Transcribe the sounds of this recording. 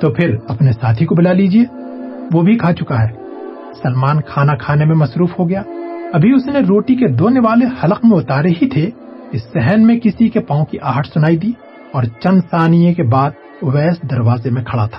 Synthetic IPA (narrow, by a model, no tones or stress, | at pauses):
t̪opʰɪɾɐpnesaːt̪ʰikobɪlaliːd͡ʒieː | ʋobʱikʰaːt͡ʃʊkaɦɛː | sɐlmaːnkʰaːnakʰaːnemẽmɐsɾuːfɦoɡɐjaːɐbʱiʊsneɾoːʈiked̪oːneʋaːlehɐləqmẽʊt̪aːɾeɦit̪ʰe | kisɛɦɛnmẽkɪsikepãːõkiʔaːɦəʈʰsʊnaːid̪iː | ɔːɾt͡ʃɐ̃nd̪saːnijẽkebaːd̪̚ | ʋɛːsd̪ɐɾʋaːzemẽkʰɐɽat̪ʰḁː